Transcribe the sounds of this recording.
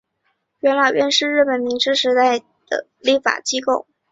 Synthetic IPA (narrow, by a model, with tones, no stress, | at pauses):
ɥɛ˧˥nlɑ˨˩ʊɥɛ˥˧nʂɻ̩˥˧ɻɻ̩˥˩pə˨˩nmi˧˥ŋʂɻ̩˥ʂɻ̩˧˥t̪a˥˩ɪ | d̪̥ə̰˩ | li˥˩fa̰˨˩t͡ɕi˥ko˥˩ʊ